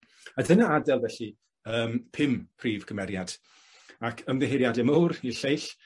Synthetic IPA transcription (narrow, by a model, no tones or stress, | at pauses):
adənaadɛlˠvɛɬi | əːmpʰɪmpʰriːv̥kʰəmɛɾjad̥ | akʰəmðɛɦeɾjadɛmowrniɬejɬ